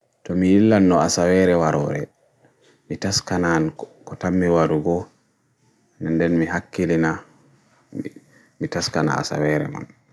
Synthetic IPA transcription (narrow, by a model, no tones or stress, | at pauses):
tɔmijilːanːɔasawɛɾɛwaɾɔ̰ɾɛ̰ | mitaskanankɔtamːiwaɾuɡɔ | nɛndɛnmiɦakːilina | mitaskana̰a̰sa̰wɛɾɛ̰ma̰n